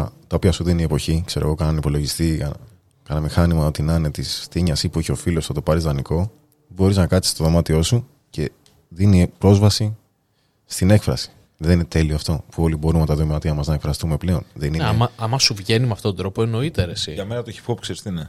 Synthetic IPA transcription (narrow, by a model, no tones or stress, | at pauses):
t̪ɐopiɐsuðiniepo̞çikse̞ɾoɣo̞kɐnɐnipo̞lo̞ʝist̪iɐ | kɐnɐmixɐnimɐo̞t̪inɐnet̪isθiɲɐsipuiçeofilosuθɐt̪opɐɾizðɐniko̞ | bo̞ɾiznɐkɐt̪i̥st̪o̞ðo̞mɐt̪io̞su | ce̞ | ðinipɾo̞zvɐsi | st̪ine̞kfɾɐ̰si̥ | ðeninet̪e̞lioɐft̪o̞puo̞libo̞ɾunmɐt̪ɐðomimɐt̪iɐmɐznɐekfɾɐst̪ume̞ple̞o̞nðenineɐmɐɐmɐsuvʝe̞nimɐft̪ot̪od̪ɾo̞poeno̞it̪eɾesiʝɐme̞nɐt̪oeçi̥fopkseɾist̪ine